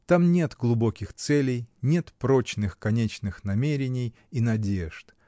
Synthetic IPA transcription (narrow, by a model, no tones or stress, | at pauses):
t̪amnʲe̞t̪ɡlˠʊbo̞kʲɪxt̪sɛlʲɪjnʲe̞t̪pɾo̞t͡ɕnɨxkɐnʲet͡ɕnɨxnɐmʲeɾʲɪnʲɪj | inɐdʲe̞ʐt̪